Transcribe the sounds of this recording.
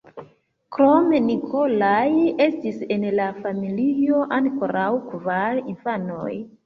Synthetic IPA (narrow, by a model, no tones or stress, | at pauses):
kɾo̞menikʰo̞laje̞stise̞nlafamilio̞ʔanko̞ɾawkvaɾinfano̰j